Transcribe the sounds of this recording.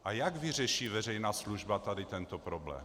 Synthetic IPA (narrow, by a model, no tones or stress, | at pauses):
ʔajaɡvɪr̝ɛʃiːvɛr̝ɛjnaːsluʒbat̪adɪt̪ɛnt̪opɾoblɛ̰ːm